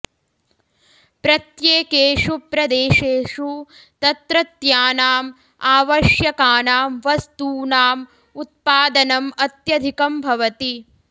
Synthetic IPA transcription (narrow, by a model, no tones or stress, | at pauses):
pɾɐt̪jeːkeːʂupɾɐd̪eːʂeːʂu | t̪ɐt̪ɾɐt̪jaːnaːm | aːʋɐʃjɐkaːnaːmʋɐst̪uːnaːm | ut̪̚paːd̪ɐnɐmɐt̪jɐd̪ʱikɐmbʱɐʋɐt̪i